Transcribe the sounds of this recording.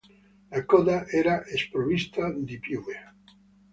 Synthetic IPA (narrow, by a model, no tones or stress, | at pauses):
akoðaʔeɾaʔespɾoβist̪ad̪ipjue